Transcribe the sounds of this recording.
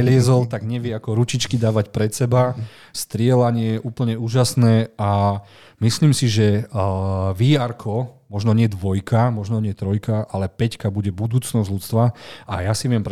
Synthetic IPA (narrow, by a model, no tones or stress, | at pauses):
ɛlɪɛzɔlt̪aɡɲɛʋɪɛakɔɾut͡ʃit͡ʃkid̪aːʋacpɾɛt̪sɛba | st̪ɾɪɛlaɲɪɛjɛʔuːpl̩ɲɛuːʒasnɛːa | misliːmsiʒɛ | ʋiːaɾkʰɔmɔʒnɔɲɪɛd̪ʋɔjkamɔʒnɔɲɪɛt̪ɾɔjkaʔalɛpɛckabuɟɛbud̪uːt͡snɔzɟlʎut̪t͡st̪ʋaajasiʋɪɛmp